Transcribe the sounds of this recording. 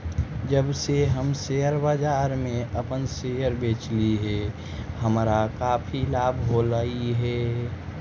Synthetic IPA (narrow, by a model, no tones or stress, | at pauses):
d͡ʒəbseɦəmsejəɾbad͡ʒaːɾmẽʔəpənsejəɾbeːt͡ʃliɦɛ | həmɾakaːpʰilaːbʱɦolaiɦɛ